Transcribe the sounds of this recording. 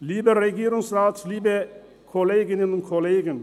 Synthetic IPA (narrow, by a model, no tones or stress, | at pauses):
liːbəɾɛɡiːɾʊŋsraːtsliːbə | kʰɔleːɡɪnənʊntkʰɔleːɡən